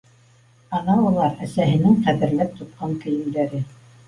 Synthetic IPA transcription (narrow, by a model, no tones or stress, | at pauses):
ɑnɑulˠɑɾæsæɦɘ̆nɘŋqæðɘ̆ɾlæp̚t̪ŏt̪̚qɑŋkɘ̆jɘ̆md̪æɾɘ